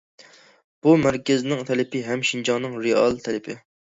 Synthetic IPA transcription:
b̥umæɾkʲɛznɪŋt̪ʰɛlɪpʰɪɦɛmʃind͡ʒɑŋnɨŋɾeɑlˠt̪ʰɛlɪpʰɪ

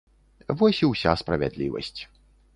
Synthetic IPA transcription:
vɔsʲiwsʲa̰spɾɐvʲa̰d̪lʲivɐ̰sʲt͡sʲ

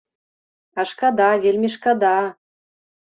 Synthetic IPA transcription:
ɑʃkɑd̪ɑvʲelʲmʲeʃkɑd̪ɑ

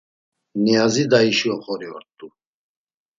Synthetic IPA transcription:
niazid̪aiʃiɔχɔɾiɔ̰ɾt̪ʼːu

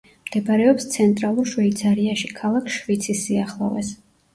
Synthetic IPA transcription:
md̪̥ɛbaɾɛɔpst̪sʰɛnt̪ʼɾalˠuɾʃvɛit̪sʰaɾiaʃikʰalˠakʰʃvit̪sʰisːiaχlˠɔ̰vɛ̰s

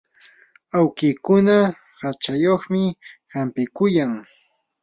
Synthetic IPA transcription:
awkiːkʊna | hat͡ʃajoχmɪhampɪkʊjaŋ

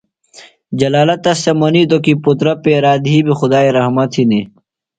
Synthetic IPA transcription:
d͡ʑɐlaːlɐt̪ːɐst̪emɐnit̪okiput̪ɾɐpeːɾaːd̪ɦiːbixʊd̪aːeɾɐɦmɐt̪ʰini

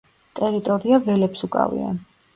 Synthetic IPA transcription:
t̪ʼɛɾit̪ʼɔɾiavɛlɛpsukʼa̰vḭa̰

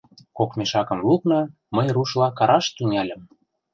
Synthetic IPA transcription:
kokmeʃɑkə̆mluknɤ | məjruʃlɑkɑɾɑʃt̪yŋɑlʲə̆m

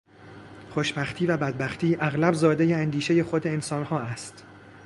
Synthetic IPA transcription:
χoʃbæxt̪ʰiːvæbæd̪̚bæxt̪ʰiːʔæɣlæbzɒːd̪ejeænd̪iːʃe̞je̞xod̪eensɒːnhɒːæst̪

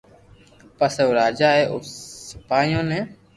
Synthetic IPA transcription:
pəseoːɾaːd͡ʒaːɦɛːʔoəpaːjõːnɛ̃ː

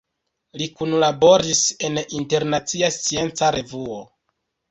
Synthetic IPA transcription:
likunlabo̞ɾise̞ninte̞ɾnat͡siast͡sie̞nt͡saɾe̞vuo

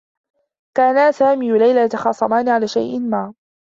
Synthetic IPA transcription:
kaːnasaːmiːalajlat̪axɑːsˤɑmaːnɪʕalaːʃa̰jʔɪnmaː

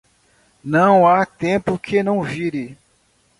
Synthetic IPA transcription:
nɐ̃w̃at̪ẽpʊkʰenɐ̃w̃viɾɪ

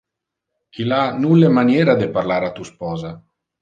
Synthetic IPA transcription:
ilanulːemanjɛːɾad̪eparlaːɾat̪uspɔːza

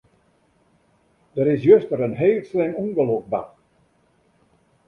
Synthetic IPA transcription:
d̥əɾɪs̬jøstəɾənɦeːlˠslɪŋuŋɡəlok̚ba̰t

